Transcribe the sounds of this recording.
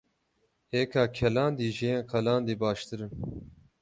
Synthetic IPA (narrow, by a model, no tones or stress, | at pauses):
heːkʰaːkʰɛlɑːnd̪iːʒeẽqʰɐlaːnd̪iːbɑːʃt̪ɨɾɨn